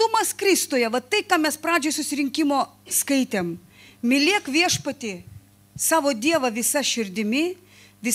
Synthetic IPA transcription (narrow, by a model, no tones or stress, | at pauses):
t̪ʊmɐskɾʲɪst̪oːjɛʋɐt̪ɐɪkɑːmʲɛspɾɑːd͡ʒʲoːjsʊsʲɪɾʲɪŋʲkʲɪmoː | skɐɪt̪ʲeːm | mʲɪlʲiɛkʋʲiɛʃpɐt̪ʲɪ | sɑːʋoːd̪ʲiɛʋɐʋʲɪsɐʃʲɪɾʲd̪ʲɪmʲɪ | ʋʲɪ